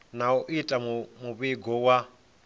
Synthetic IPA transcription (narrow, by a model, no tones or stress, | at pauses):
nauʔitʼamuβiɡʱɔwa